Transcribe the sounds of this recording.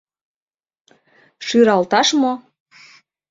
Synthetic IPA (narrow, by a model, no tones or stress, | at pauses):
ʃyɾɑlt̪ɑʃmo